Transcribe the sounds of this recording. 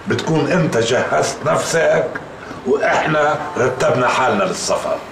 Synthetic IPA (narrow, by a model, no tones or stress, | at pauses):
bɪt̪kuːnʔɪnt̪aʒahːazt̪nafsak | wʔɪħnaɾˤɑt̪ːabnaħaːlnalɪsˤːɑfɑ̰